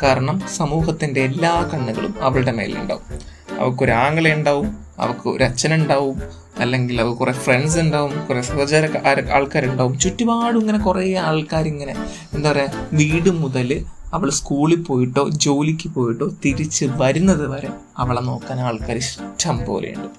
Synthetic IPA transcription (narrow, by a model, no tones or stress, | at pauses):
kaːɾɐɳɐmsɐmuːɦɐt̪ːinde̞ːlːaːkɐɳːuɣɐ̰ɭṵmɐʋɐɭɨɽemḛːlṵɳɖa̰ːʋum | ɐ̰ʋɐkːoɾuaːŋːɐɭeuɳɖaːʋum | ɐ̰ʋɐkːɨ̰ɾɐt͡ɕːɐnuɳɖaːʋum | ɐlːe̞ŋɡilɐʋɐkurefreɳɖsuɳɖaːʋumkːuresɐrɐd͡ʑɐɾɐkːa̰ːɭkaːɾuɳɖaːʋumt͡ɕutːubaːɽuiŋːɐne̞kureːaːɭkaːɾiŋːɐne̞ | end̪aːʋɐreʋiːɽɨmuðɐlɨɐʋɐɭskuːɭipːo̞ːjiʈːo̞ːd͡ʑo̞ːlikʲːɨpo̞ːjiʈːo̞ːt̪iɾit͡ɕːɨʋɐɾunːɐðɨpɐɾe | ɐʋɐɭeno̞ːkːaːnaːɭkaːɾiɕtːɐmpo̰ːlʔḛjṵɳɖɨ